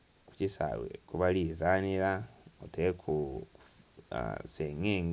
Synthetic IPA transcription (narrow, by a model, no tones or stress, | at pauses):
ku̥cisa̰βwḛkuβalizaːniɾaotekʰu | seŋeːŋ